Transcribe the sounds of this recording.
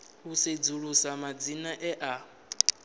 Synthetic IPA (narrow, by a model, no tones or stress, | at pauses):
ɦused͡zuɺusamad͡zinaʔɛʔa